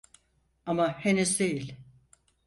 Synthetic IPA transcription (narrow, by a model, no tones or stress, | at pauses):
amahenysd̪e̞jilʲ